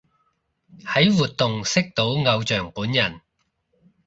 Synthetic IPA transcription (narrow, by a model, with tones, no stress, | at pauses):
hɐ˨˥jwuː˨˩t̚t̪ʊ˨ŋsɪ˥k̚t̪o˨˥wŋɐ˨˧wt͡ʃœː˨˩ŋpuː˨˥njɐ˨˩n